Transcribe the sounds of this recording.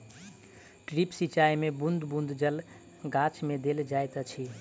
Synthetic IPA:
ʈɾipsit͡ʃaimebund̪bund̪d͡ʒəl | ɡat͡ʃmed̪eld͡ʒajt̪ət͡ʃʰi

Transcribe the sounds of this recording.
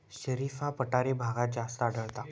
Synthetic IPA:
ɕəɾifapəʈaɾebʱaɡat̪̚d͡zast̪əaɽəɭt̪a

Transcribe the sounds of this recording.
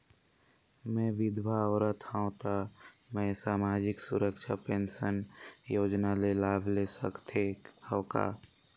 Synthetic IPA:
mɛ̃ːʋɪd̪ʱʋaɔːɾət̪ʰãt̪amɛ̃saːmaːd͡ʒɪksʊɾəkʃapeːnsənjoːd͡ʒnalelaːbʱlesəkt̪ʰeː | hoːka̰ː

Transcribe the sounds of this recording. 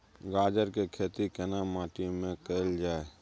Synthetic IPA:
ɡaːd͡ʒəɾkekʰeːt̪ikenaːmaːʈimẽkeld͡ʒaːe

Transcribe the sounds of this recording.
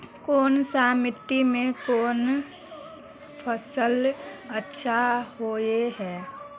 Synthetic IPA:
koːnsaːmɪt̪imẽkoːn | pʰəsələtːʃʰahoːeɦɛː

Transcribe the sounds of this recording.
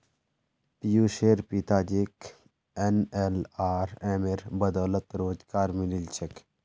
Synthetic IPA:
pijuːʃeːɾpit̪aːd͡ʒek | enelaːɾeːmeɾbɐd̪ɔːlət̪ɾoːd͡ʒkaːɾmililt͡ʃʰek

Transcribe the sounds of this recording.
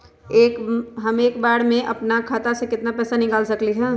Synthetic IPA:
eːkɦɐmeːkbaːɽmẽʔɐ̰pnakʰaːt̪asekɪt̪napɛːsanɪkaːlsɐkliɦɛː

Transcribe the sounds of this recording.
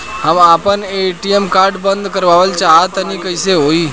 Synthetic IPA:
hamapəneʈiemkaɾɖbənd̪ʱkəɾʋaʋəlt͡ɕaɦat̪añikəjseɦoiː

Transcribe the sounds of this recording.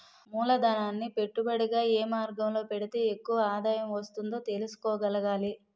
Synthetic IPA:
muːlɐd̪ɐnaːnːipe̞ʈːubɐɽiɡaːeːmaːɾɡɐmlo̞ːpe̞ɽit̪e̞ːekːuʋɐaːd̪aːjɐmʋɐst̪und̪o̞ːt̪e̞lusu̥kɔːɡɐlɐɡaːli

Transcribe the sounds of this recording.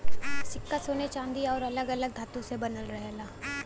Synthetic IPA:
sɪkːasoːnet͡ʃãːnd̪iɔːɾɐləɡɐləɡ̚d̪ʱaːt̪ũsebɐnəlɾɐɦelaː

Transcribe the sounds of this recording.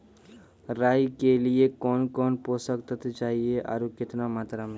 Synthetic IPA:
ɾaːjkeliekɔːnkɔːnpoːsəkt̪ət̪t͡ʃaːɦieʔa̰ːɾukɪt̪namaːt̪ɾamẽ

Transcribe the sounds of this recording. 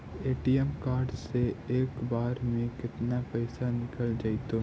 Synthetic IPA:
eːʈiɛmkaːɾɖseeːkbaːɾmẽkɪt̪napɛɪsanɪkəld͡ʒait̪o

